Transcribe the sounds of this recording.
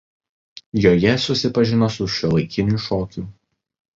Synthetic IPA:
joːjɛsʊsʲɪpɐʒʲɪnoːsʊʃʲilˠɐɪkʲɪnʲuʃoːkʲu

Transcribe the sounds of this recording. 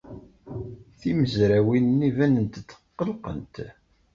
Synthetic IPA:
θiməzɾæwinnivænənt̪t͡sːə̥qːəlqə̰nt̪

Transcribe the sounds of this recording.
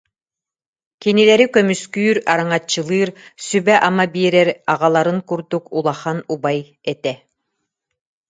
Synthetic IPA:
kinilɛɾikœmyskyːɾaɾɯŋat͡ɕːɯlˠɯːɾsybɛʔamabiːɾɛɾaʁalˠaɾɯŋkuɾd̪ukulˠaχanubaj | ɛt̪ɛ

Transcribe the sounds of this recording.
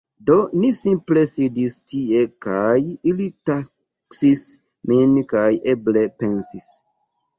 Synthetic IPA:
do̞nisimple̞sidistie̞kajilita | ksis | minkajʔeble̞pe̞nsis

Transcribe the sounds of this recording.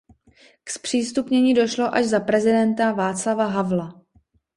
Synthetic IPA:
kspr̝̥iːst̪upɲɛɲiːdo̞ʃlo̞ʔaʒzapɾɛzɪdɛnt̪avaːt͡slavaɦavla

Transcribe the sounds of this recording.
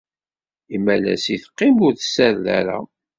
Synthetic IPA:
imːælæ̰siθqːimʊɾθsæɾlæ̰ɾa̰

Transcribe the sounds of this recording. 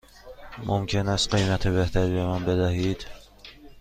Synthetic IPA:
mʔo̰mcʰenæst̪̚ɢejmæt̪ʰebeht̪ʰæɾibe̞mænbed̪æhid̪̥

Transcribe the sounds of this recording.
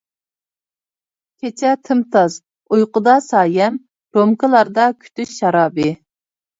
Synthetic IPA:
kʲʰet͡ʃʰɛt̪ʰɨmt̪ʰɑz | ujqʊd̪ɑsɑːjɛm | ɾomkəlˠɑɾd̪ɑkʲʰy̥t̪ʰyʃʃɑɾɑːbɨ

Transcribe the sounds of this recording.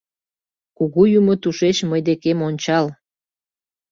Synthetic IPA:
kuɣujumot̪uʃeʃməjd̪ekemonʲt͡ɕɑl

